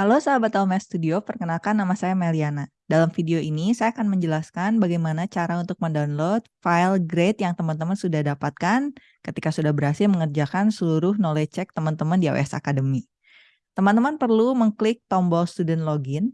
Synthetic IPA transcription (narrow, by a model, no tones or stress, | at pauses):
kalosaɦabat̪almɛst̪udiopərkənalkanːamasajamaliana | dalamfidioʔinisajaːkanməɲd͡ʒəlaskanbaɡajmanat͡ʃaɾaunt̪ʊk̚məndanlot̪̚failɡɾet̪jaŋt̪əmant̪əmansudahdapat̪̚kan | kət̪ikasudahbəɾasɪlməŋərd͡ʒakansəluɾʊhnolɛt͡ʃɛk̚t̪əmant̪əmandia̰wḛasa̰kadəmi | t̪əmãnt̪̬əmanpərluməŋklɪk̚t̪ɔmbɔlst̪udɛnt̪loɡɪn